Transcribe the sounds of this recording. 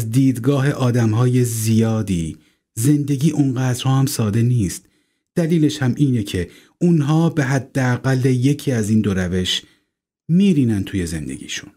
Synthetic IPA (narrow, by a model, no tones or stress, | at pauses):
zd̪iːd̪ɡɒːɦe̞ʔɒːd̪æmɦɒːjezijɒːd̪iː | ze̞nd̪e̞ɟiːʔunɢæːd̪ɾhɒːhæmsɒːd̪e̞niːst̪ | d̪̥æliːleʃhæmʔiːnecʰe̞ | unɦɒːbe̞ɦæd̪ːeæɣælːeje̞cʰiːæziːnd̪o̞ɾæve̞ʃ | miːɾiːnænt̪ʰuːje̞ze̞̰nd̪ḛɟʲḭːʃu̥n